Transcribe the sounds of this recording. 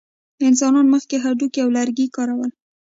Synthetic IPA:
ɪnsɑnɑnməxkeɦad̪ukiawlaɾɡikɑɾawəl

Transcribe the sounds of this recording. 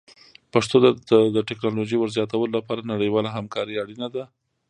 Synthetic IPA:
paʂt̪od̪əd̪əʈɛknɑloʒəjwəɾzjɑt̪awəlolapɑɾanaɽəjwɑlaɦamkɑɾəaɽinad̪a

